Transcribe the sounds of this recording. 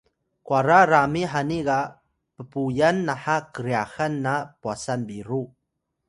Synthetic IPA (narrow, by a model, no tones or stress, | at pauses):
kwaɾaɾamiħaniɡa | pəpujanːaħakəɾiaxanːapuasanbiɾu